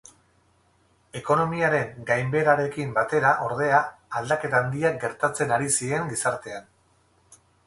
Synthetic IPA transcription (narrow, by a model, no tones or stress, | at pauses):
e̞ko̞no̞miaɾe̞ŋɡajmbe̞ɾaɾe̞kimbat̪e̞ɾaʔo̞ɾð̞e̞aːld̪ake̞t̪aːnd̪iaɡe̞ɾt̪at͡se̞naɾisie̞ŋɡisaɾt̪e̞an